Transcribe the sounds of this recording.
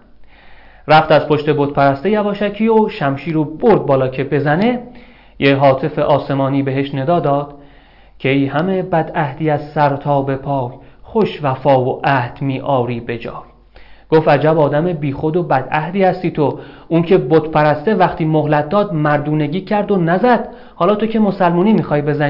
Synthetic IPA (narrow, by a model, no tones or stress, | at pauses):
ræft̪æzpʰo̞ʃt̪e̞bot̪̚pʰæɾæst̪ejævɒːʃæcʰiːoʃæmʃiːɾoboɾd̪̚bɒːlɒːcʰe̞be̞zæne̞ | jeɦɒːt̪ʰe̞fe̞ʔɒːse̞mɒːniːbeɦe̞ʃne̞d̪ɒːd̪ɒːd̪̥ | cʰejhæme̞bæd̪æhd̪iːæzsæɾt̪ʰɒːbe̞pʰɒːkʰχoʃvæfɒːvoʔæhd̪̥miːʔɒːɾiːbe̞d͡ʒɒ̰ːv | ɡ̥o̞fæd͡ʒæbɒːd̪æmebiːxo̞d̪obæd̪æhd̪iːhæst̪iːt̪ʰouncʰe̞bot̪pʰæɾæst̪e̞væχt̪ʰiːmohlæt̪̚d̪ɒːd̪mæɾd̪uːne̞ɟiːcʰæɾd̪onæzæd̪̥ | hɒːlɒːt̪ʰocʰe̞mo̞sælmuːniːmixɒːjbe̞zæn